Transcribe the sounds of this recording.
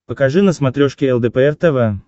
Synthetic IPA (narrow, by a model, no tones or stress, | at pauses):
pəkaʐɨnəsmat̪ɾʲoʂkʲɪɛlˠd̪ɛpəɛrt̪ɛvə